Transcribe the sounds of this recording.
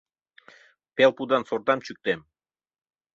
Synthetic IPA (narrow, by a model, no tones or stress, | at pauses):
pelpud̪ɑnsort̪ɑmt͡ɕyk̚t̪em